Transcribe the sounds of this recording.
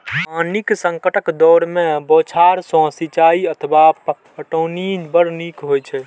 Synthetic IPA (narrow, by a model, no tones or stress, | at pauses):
aniksə̃ŋkəʈəkd̪ɔɾmẽbot͡ʃʰaɾsɔ̃sit͡ʃaiət̪ʰəbap | əʈəwnibəɾnikɦojt͡ʃʰɛ